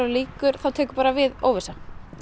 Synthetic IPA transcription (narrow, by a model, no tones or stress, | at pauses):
ɾaliːkʏɾ̥θawt̪ʰɛːkʏ̥ɾpaːɾavɪðo̰ːwvɪsa